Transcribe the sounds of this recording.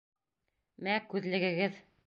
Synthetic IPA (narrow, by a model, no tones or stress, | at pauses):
mækʉðlɘ̆ɡɘ̆ɡɘð